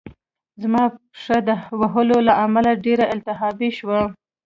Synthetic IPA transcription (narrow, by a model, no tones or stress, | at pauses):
zmɑ | ʂəd̪əwaɦəlolaʔamalaɖeɾaɪlt̪ɪɦɑbiʃwa